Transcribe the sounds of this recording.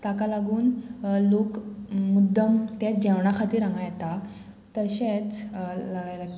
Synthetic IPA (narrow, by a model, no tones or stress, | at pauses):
t̪akalaɡuːnlokmud̪ʱːəmt̪et͡sd͡ʑɛʋɳakʰat̪iːɾãŋɡajɛt̪a | t̪əɕet͡s